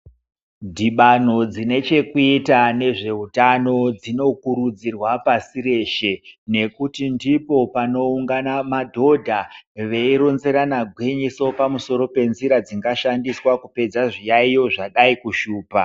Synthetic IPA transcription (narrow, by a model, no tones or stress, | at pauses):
dʱiɓan̤o̞d͡zine̞t͡ʃe̞kuitane̞ʐe̞ɦutano̞d͡zino̞kuɾud͡zirwapasire̞ʃe̞ne̞kutindipo̞pano̞uŋɡanamadʱo̞dʱaʋe̞iɾonze̞ɾanaɡʱwiɲiso̞pamuso̞ɾo̞pe̞nziɾad͡ziŋɡaʃandiswakupe̞d͡zaʐijaijo̞ʐaɗaikuʃuːpa